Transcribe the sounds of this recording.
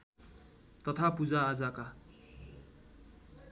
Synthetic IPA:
t̪ʌt̪ʰapud͡zaːd͡zaka

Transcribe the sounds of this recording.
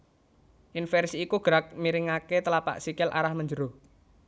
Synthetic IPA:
ʔɪnfɛrsiːkuɡ̥ɾak̚miɾɪŋaket̪əlapa̰ʔsikɪlʔa̰ɾahməɲd͡ʒəɾo

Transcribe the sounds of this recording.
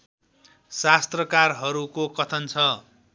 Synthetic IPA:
sast̪rʌkarɦʌɾukokʌt̪ʰʌnt͡sʰʌ

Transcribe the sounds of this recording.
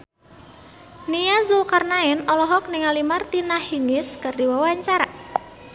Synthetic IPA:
nijazukarnaɪnɔlɔɦɔk̚nɪŋalimart̪inahiŋɪskardiwawaɲt͡ʃaɾa

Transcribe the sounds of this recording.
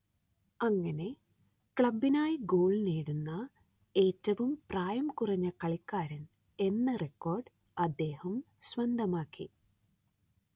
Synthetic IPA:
ɐŋːɐne̞ | kɭɐbːinaːjiɡo̞ːɭneːɽunːɐ | e̞ːtːɐʋumpraːjɐmkurɐɲːɐkɐɭikːaːɾɐn | e̞nːɐrekːo̞ːrɖ | ɐd̪ːe̞ːhɐm | sʋɐnd̪ʱɐmaːkːi

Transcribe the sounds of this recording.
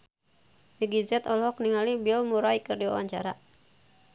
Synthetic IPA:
miɡizɛt̪ɔlhɔkniŋalibiɔlmuɾaikɨrdiwa̰waɲt͡ʃa̰ɾa

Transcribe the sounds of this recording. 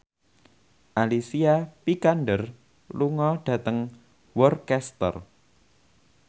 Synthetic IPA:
ʔalisiapikanɖər | luŋɔɖ̥ä̤t̪əŋ | wɔrkɛst̪ə̰r

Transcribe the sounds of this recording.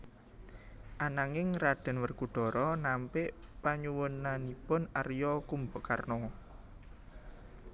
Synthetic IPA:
ʔanaŋɪŋraɖ̪̥ɛ̤nwərkuɖ̪̥ɔ̤ɾɔnampɪʔpaɲuwʊnanipʊnarjɔkumbɔkarnɔ

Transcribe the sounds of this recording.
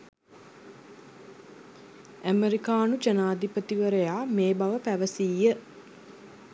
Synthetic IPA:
æmeɾikaːnud͡ʒənaːd̪ipət̪iʋəɾəjaːmeːbaʋəpæʋəsiːjə

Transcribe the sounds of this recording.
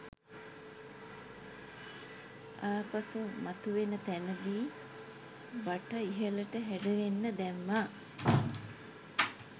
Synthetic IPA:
aːpasumat̪uʋenət̪ænəɡiː | ʋaʈəiɦələʈəɦæɖəʋenːəd̪æmːa

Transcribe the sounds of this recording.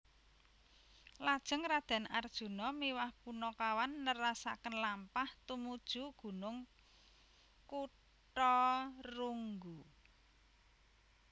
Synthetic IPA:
lad̥ʒ̥ə̤ŋrad̪̥a̤nard̥ʒ̥ṳnɔmiwahpunɔkawanːəɾasa̰kənlampaht̪umud̥ʒ̥ṳɡ̥ṳnʊŋ | ku | ʈɔruŋɡu

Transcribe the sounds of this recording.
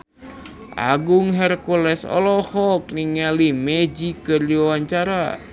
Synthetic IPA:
ʔa̰ɡuŋɦɛrkulɛsɔ̰lɔhɔlkniŋalimɛd͡ʒikɨrd͡ʒiwawaɲt͡ʃaɾa

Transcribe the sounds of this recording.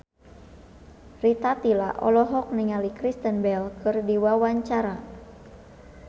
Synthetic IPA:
rit̪at̪ilaʔɔ̰lɔɦɔk̚niŋalikɾist̪ənbɛlkɨrdiwawaɲt͡ʃaɾa

